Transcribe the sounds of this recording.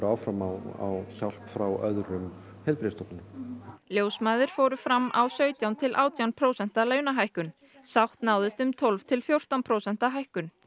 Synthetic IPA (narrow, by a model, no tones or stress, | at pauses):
ɾawfɾamaa̰wçal̥pfɾawœ̰ðɾʏm | hɛlpɾɪːst̪ɔpnʏnljoːwsmajðɪɾ̥foːɾʏfɾamːʔawsœːɥt̪jawnt̪ʰɪlʔaːwt̪jawnpʰɾoːwsɛn̥t̪alœːɥnaɦajhkʏn | sawht̪naːwðɪst̪ʏmt̪ʰɔlvt̪ʰɪlfjowr̥t̪awnpʰɾoːwsɛn̥t̪aɦajhkʏn